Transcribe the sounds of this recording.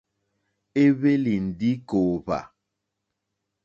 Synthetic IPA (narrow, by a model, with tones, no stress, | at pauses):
e˦βe˦li˨n̩˨di˦ko˨pa̰˨